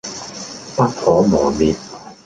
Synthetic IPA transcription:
pɐ˥k̚fɔː˨˥mɔː˨˩miː˨˩t̚

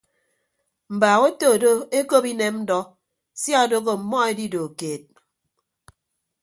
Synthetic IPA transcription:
m̩˨baː˨ɣe˦to˦˨do˦e˦ko˦pi˦ne˦mn̩˦dɔ˦ | sja˦o˨do˦ɣo˨m̩˨mɔ˦e˦di˦do˨keː˨t̚

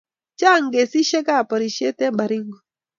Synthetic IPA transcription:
t͡ʃa˦˨ŋɡe˨si˦ʃɛ˦ka˦˨pɔ˨ɾi˨ʃe˦tɛ˦ba˨ɾi˦ŋɡɔ˨

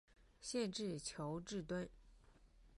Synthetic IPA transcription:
ɕjɛ˥˧nʈ͡ʂɻ̩˥˩t͡ɕʰjo˧˥ʊʈ͡ʂɻ̩˥˩t̪wə˥n

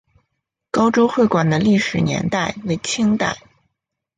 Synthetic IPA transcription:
kɑ˥ʊʈ͡ʂo˥ʊxwe˥˩ɪkwa˨˩nd̪ə˦li˥˩ʂɻ̩˨˩njɛ̰˧˥nt̪a˥˩ɪwe˧˥ɪt͡ɕʰi˥ŋt̪a̰˥˩ɪ

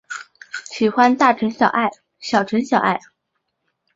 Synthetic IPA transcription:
ɕi˨˩xwa˥nt̪a˥˩ʈ͡ʂʰə˧˥nɕjɑ˨˩ʊʔa˥˩ɪ | ɕjɑ˨˩ʊʈ͡ʂʰə˧˥nɕjɑ˨˩ʊʔa˥˩ɪ

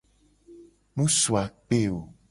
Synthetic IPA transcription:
nũ˦su˨a˨k͡pe˦o˨

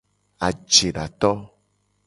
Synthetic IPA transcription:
a˨d͡ʒe˨ɖa˨t̪ɔ˦

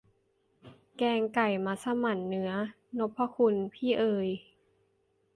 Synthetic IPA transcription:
kɛː˧ŋka˨˩jmaː˧sa˧ma˨˧˩nːɯ˨˦ɐ | no˧˦˥pʰːa˧kʰu˧npʰiː˥˩ʔɤː˧j

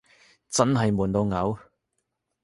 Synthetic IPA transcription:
t͡sɐ˥nɦɐ˨jmuː˨˩nt̪o˧wŋɐ˨˥w

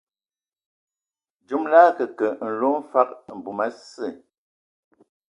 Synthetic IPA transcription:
d͡ʒu˦mla˦kə˨kə˨n̩˨lo˦fa˦˨k̚m̩˨bu˨ma˦sə˦˨

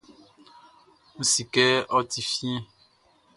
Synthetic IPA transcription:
ŋũ˦si˨kɛ˦ɔ˦t̪i˨fĩ˦ɛ̃˦˨

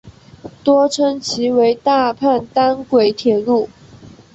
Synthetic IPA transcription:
t̪wɔ˥ʈ͡ʂʰə˥ŋt͡ɕʰi˧˥we˧˥ɪt̪a˥˧pʰa˥˩nt̪a˥nkwe˨˩ɪt̪ʰjɛ˨˩lu˥˩

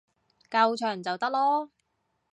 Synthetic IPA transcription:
kɐ˧wt͡ʃʰœː˨˩ŋt͡sɐ˨wt̪ɐ˥k̚lɔː˥

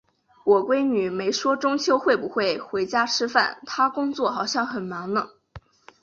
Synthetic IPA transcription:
wɔ˨˩kwe˥ɪny˨˩me˧˥ɪʂwɔ˥ʈ͡ʂʊ˥ŋt͡ɕʰjo˥ʊxwe˥˩ɪbu˨˩xwe˥˩ɪxwe˧˥ɪt͡ɕja˥ʈ͡ʂʰɻ̩˥fa̰˥˩nt̪ʰa˥kʊ˥ŋt͡swɔ˥˩xɑ˨˩ʊɕjɑ˥˩ŋxə˨˩nmɑ˧˥ŋnə˦˩

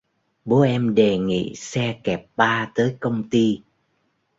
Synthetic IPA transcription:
ɓo˨˦ʔɛ˧mɗe˨˩ŋḭ˧˨sɛ˧kɛ˨˩p̚ɓaː˧t̪əː˨˦jkə˧wŋ͡mt̪i˧

